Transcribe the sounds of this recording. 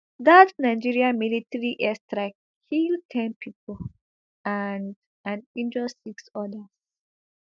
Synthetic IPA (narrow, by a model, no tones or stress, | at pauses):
ðatnaɪd͡ʒiɹiãmilitəɹiʔɛstɹak̚ | kʰiltʰɛ̃npʰipol | and | ãnĩnd͡ʒəsiksɔdəs